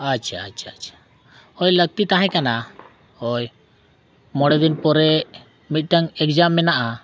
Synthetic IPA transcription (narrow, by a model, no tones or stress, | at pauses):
at͡ʃʰaat͡ʃʰaat͡ʃʰḁ | ɔjlək̚t̪it̪aɦɛ̃kana | ɔj | mɔɽɛd̪inpɔɾɛ | mit̪̚ˀʈaŋɛk̚d͡ʒamːɛnaʔa